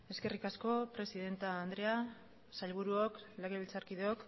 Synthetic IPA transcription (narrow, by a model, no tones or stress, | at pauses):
e̞ske̞rikasko̞pɾe̞siðe̞nt̪aːnd̪ɾe̞a | saʎβ̞uɾuokleɣeβilt͡saɾkið̞eok